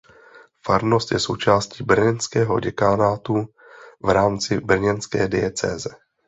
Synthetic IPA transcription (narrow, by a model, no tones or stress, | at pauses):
faɾno̞st̪jɛso̞wt͡ʃaːsciːbr̩ɲɛnskɛːɦo̞̰ɟɛkaːnaːt̪u | vɾaːmt͡sɪbr̩ɲɛnskɛːdɪɛt͡sɛ̰ːzɛ